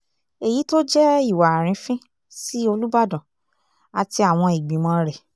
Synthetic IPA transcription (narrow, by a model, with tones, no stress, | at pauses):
e˨ji˨˦to˦d͡ʒɛ˦i˦˨wa˨ɾ̃ĩ˨˦fĩ˦ | si˦o˧lu˦ba˦˨dɔ̃˨ | a˨ti˧a˦˨w̃ɔ̃˧i˨ɡ͡bĩ˨mɔ̃˧˦ɾɛ˨